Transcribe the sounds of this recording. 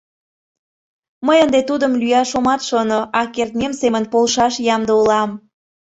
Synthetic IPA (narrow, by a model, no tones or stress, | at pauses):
məjənd̪et̪ud̪əmlyjɑʃomɑt̪ʃonoʔɑkert̪nʲemsemənpolʃɑʃjɑmd̪əulɑm